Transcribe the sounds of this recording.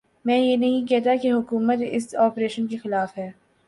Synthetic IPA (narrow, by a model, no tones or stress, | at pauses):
mɛ̃ːjenɐɦĩkɛɦt̪akeɦʊkuːmət̪ɪ̰sɔːpɾeːʃənkexɪlaːfɦɛː